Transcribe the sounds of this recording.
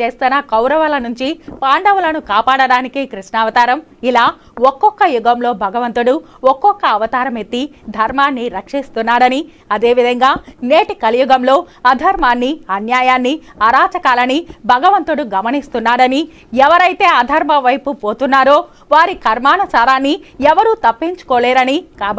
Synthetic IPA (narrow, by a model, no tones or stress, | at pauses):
t͡ʃe̞ːst̪unakɐwɾɐʋɐlɐnuɲt͡ʃipaːɳɖɐʋulɐnukaːpaːɽɐɽaːnikikɾiʂɳaːʋɐt̪aːɾɐm | ilaː | ɔkːɔkːɐjuɡɐmlo̞ːbʱɐɡɐʋɐnt̪uɽu | ɔkːɔkːɐːʋɐt̪aːɾɐmet̪ːid̪ʱɐɾmaːnːiɾɐkʂist̪unːaːɾɐni | ɐd̪e̞ːʋid̪ʱɐŋɡaːneːʈikɐlijuɡɐmlo̞ːɐd̪ʱɐɾmaːnːiɐnjaːjaːnːiɐɾaːt͡ʃɐkaːlɐnibʱɐɡɐʋɐnt̪uɽuɡɐmɐnist̪unːaːɽɐni | ɛʋɐɾɐjt̪e̞ːɐd̪ʱɐɾmɐʋɐjpupoːt̪unːaːɾo̞ː | ʋaːɾikʰɐɾmaːnɐsaːɾaːnːiɛʋɐɾuːt̪ɐpːiɲt͡ʃu̥koːleːɾɐnikaːbɐ